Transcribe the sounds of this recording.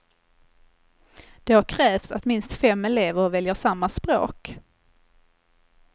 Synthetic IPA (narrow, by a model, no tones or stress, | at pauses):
d̪̥ɛhaɾkʰɾɛːft̪sat̪mɪnst̪fɛmːɛleːvəɾɔvɛljəʂamːaspɾo̰ːk